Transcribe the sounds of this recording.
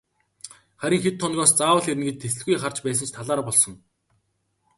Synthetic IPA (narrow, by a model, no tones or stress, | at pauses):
χæɾʲɪ̆ŋxet̪ʰːɔnɣɔːst͡saːwə̆ɮeɾɘ̆nɡet͡ɕ̚t̪ʰːesɘ̆ɮɣujχart͡ɕpæːs̬ə̆nt͡ɕʰt̪ʰaɮaːɾpɔɮsɞ̆ŋ